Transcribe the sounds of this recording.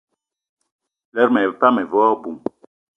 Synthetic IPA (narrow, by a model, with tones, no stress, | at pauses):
lɛ˦ɾmɛ˨pa˦mɛ˨vɔ˦bu˨m